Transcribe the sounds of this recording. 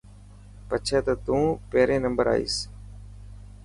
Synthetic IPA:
pət͡ʃʰɛːt̪əːt̪ũːpeːɾẽːnəmbəɾa̰ːḭːs

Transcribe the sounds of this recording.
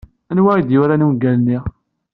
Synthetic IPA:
ænwaid̪jʊɾanuwɡælniʁ

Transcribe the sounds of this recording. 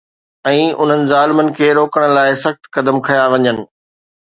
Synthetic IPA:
ɛ̃ːʊ̰n̤ənɪ̆zaːlɪmənɪ̆kʰeːɾoːkəɽ̃̆laːɪsɐxt̪kɐd̪əmkʰɐjaʋɐɲənɪ̆

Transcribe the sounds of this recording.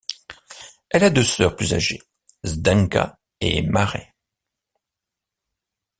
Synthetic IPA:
ɛlad̪øsœʁplyza̰ʒe | zd̪ãŋka̰ | ḛmaʁɛ

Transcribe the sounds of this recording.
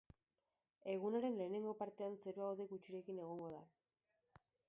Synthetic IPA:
e̞ɣ̞unaɾe̞nle̞ːne̞ŋɡo̞paɾt̪e̞anse̞ɾoawðeɣut͡ʃiɾe̞kine̞ɣ̞o̞ŋɡo̞ða

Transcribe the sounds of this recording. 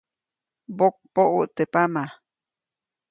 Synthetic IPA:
bok̚poʔuʔt̪epama

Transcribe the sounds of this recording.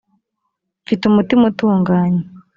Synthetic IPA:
fitumutimutuːŋɡaːɲe

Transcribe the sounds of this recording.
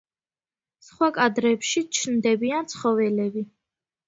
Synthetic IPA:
sχwakʼad̪ɾɛpʃit͡ʃʰnd̪ɛbiant̪sʰχɔvɛlɛbi

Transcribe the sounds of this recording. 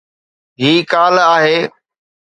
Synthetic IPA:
ɦiːkaːlaːɦeː

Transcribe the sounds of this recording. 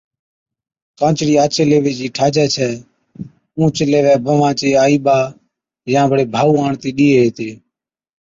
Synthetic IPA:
kãːt͡ʃɽiːaːt͡ʃeːleːʋeːd͡ʒiːʈʰaːd͡ʒɛːt͡ʃʰɛː | ũːt͡ʃəleːʋɛːbəʋãːt͡ʃeːaːiːɓaː | jãːbʱəɽeːbʱaːuːaːɳt̪iːɗiːeːɦeːt̪eː

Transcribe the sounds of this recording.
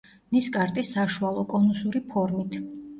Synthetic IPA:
niskʼaɾt̪ʼisːaʃualˠɔkʼɔnusuɾipʰɔɾmit̪ʰ

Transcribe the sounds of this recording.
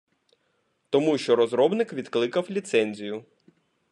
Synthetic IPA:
t̪ɔmuʃt͡ʃɔɾɔzɾɔbnɪkʋʲid̪klˠɪkɐwlʲit̪sɛnʲzʲijʊ

